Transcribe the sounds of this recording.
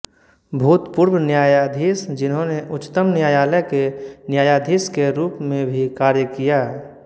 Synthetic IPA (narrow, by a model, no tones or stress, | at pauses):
bʱuːt̪pʊɾbnjaːjaːd̪ʱiːsd͡ʒɪnɦõneʔʊt͡ʃːt̪əmnɪjaːjaːləjkenjaːjaːd̪ʱiːskeɾuːpmẽbʱikaːɾjəkijaːɦɛ